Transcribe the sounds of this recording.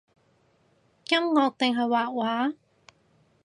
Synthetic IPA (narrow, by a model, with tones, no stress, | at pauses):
kɐ˥mŋɔː˧k̚t̪ɪ˨ŋɦɐ˨˩jwaː˨˩k̚waː˨˥˦